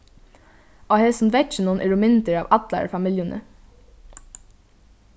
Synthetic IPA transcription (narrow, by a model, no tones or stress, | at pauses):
oːhesn̩ʋɛʈçənuːnʔɛɹʊmɪnt̪əɹɑ̰ːʋʔɑt̪lɑ̰ɹfɑmɪljənʔə̰